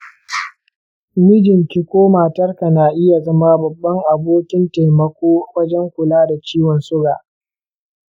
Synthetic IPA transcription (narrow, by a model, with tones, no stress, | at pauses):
mɪ˦d͡ʒɪ˨ŋkʲɪ˦kʷoː˦maː˨tɐ˦rka˨naː˨ʔɪ˦ja˨zɐ˦ma˦bɐ˨bːɐ˦ŋʔa˨boː˦kʲɪ˦nta˨jmɐ˨kʷoː˦wʷɐ˦d͡ʒɛ˦ŋkʷʊ˨laː˦da˨t͡ʃiː˦wɔ˨nsʊ˦ɡaː˨ʔ